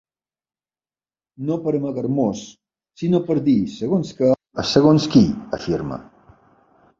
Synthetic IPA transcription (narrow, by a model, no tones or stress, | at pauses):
nopɐɾemaɣaɾmosː | inopɐɾd̪iseɣonska | aseɣonskiafiɾma̰